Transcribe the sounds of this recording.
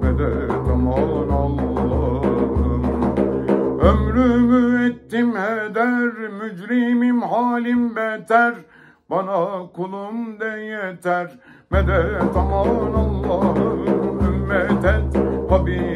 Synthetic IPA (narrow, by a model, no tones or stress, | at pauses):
mɛd̪ɛ | t̪ʰɑmɑːnɑlˠːɑɯ | ømɾymyɛt̪ːimhɛd̪æɾmyd͡ʒɾimimɦaːlʲimbɛt̪æɾ | bɑnɑkʰulˠumd̪ɛjɛt̪æɾmɛd̪ɛt̪ʰɑmɑːnɑlˠːɑːɦɯymːɛt̪ɛt̪hɑbi